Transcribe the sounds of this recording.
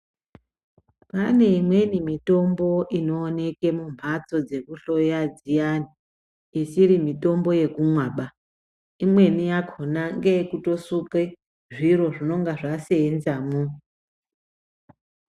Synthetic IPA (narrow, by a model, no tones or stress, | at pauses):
pane̞imwe̞nimito̞mbo̞ʔino̞ːne̞ke̞mumat͡so̞d͡ze̞kuɬo̞jad͡zijani | isiɾimito̞mbo̞je̞kumwaːɓa | imwe̞nijakʰonaŋɡeekuto̞suke | ʐiɾo̞ʐino̞ŋɡaʐaseːnzamu